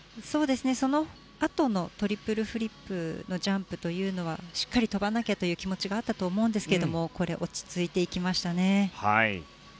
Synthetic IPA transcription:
so̞ːd̪e̞sɨneso̞no̞ | at̪o̞no̞t̪o̞ɾʲipɯ̟ɾɯ̟ɸɯ̟ɾʲipːɯ̟no̞ʑãmpɯ̟̥t̪o̞jɯ̟ːno̞β̞aɕi̥kːaɾʲit̪o̞banakʲet̪o̞jɯ̟ːkʲimo̞t͡ɕiɡaːt̪ːat̪o̞ːmo̞ɯ̃nd̪e̞sɨ̥ked̪o̞mo̞ko̞ɾe̞̰ʔo̞t͡ɕi̥t͡sɨit̪e̞ikʲimaɕi̥t̪ane̞ha̰ḭ

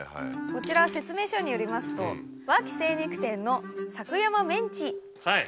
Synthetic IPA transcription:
ko̞t͡ɕiɾase̞t͡sɨme̞ːɕo̞ɲ̟ijo̞ɾʲimasɨ̥t̪o̞̰ | βakʲi̥se̞ːɲ̟ikɯ̟̥t̪ẽ̞nːo̞sakɯ̟jamamẽ̞ɲ̟t͡ɕi | haj

